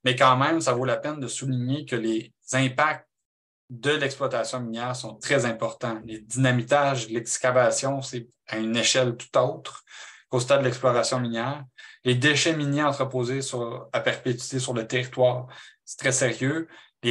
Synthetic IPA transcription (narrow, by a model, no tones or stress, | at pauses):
mɛkɑ̃mɛ̃msavolapɛnd̪əsuliɲekəle | z̥ɛ̃pak̚t̪̚ | d̪əlɛksplwat̪asjɔ̃minjɛːʁsɔ̃t̪χɛzɛ̃pɔʁt̪ɑ̃led̪inamit̪aʒlɛkskʲavasjɔ̃sɛ | ayneʃɛlt̪u̥t̪owt̪χkost̪ad̪əlɛksplɔʁasjɔ̃minjɛːʁled̪eʃɛminjeɑ̃t̪χəpoːzesyʁlapɛʁpet̪ɥi̥t̪esyʁlət̪eʁit̪wɑːʁsɛ̥t̪χɛseʁjøle